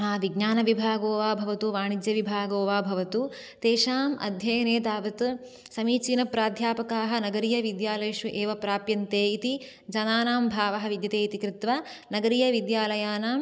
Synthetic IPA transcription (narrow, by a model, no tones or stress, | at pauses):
ɦaːʋiɡnaːnɐʋibʱaːɡoːʋaːbʱɐʋɐt̪uʋaːɳid̪jɐʋibʱaːɡoːʋaːbʱɐʋɐt̪u | t̪eːʃaːmɐ̰d̪ʱjɐjɐneːt̪aːʋɐt̪ | sɐmiːt͡ʃinɐpɾaːd̪ʱjaːpɐkaːɦɐ̆nɐɡɐɾijɐʋid̪jaːlɐjɐʃʋuʔeːʋɐpɾaːpjɐnt̪eːit̪i | d͡ʒɐnaːnaːmbʱaːʋɐɦɐ̆ʋid̪jɐt̪eːit̪ikɾɪt̪ʋa | nɐɡɐɾijɐʋid̪jaːlɐjaːnaːm